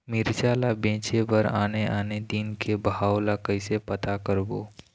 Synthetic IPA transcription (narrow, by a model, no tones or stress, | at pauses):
mɪɾd͡ʒaːlabẽːt͡ʃebəɾaːneʔaːned̪iːnkebɦaːwlakəɪsepət̪akəɾboː